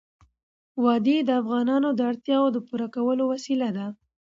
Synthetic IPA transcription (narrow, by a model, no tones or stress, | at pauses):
wɑd̪ed̪əafɣɑnɑnod̪əaɽt̪jɑwod̪əpuɾakawəlowasilad̪a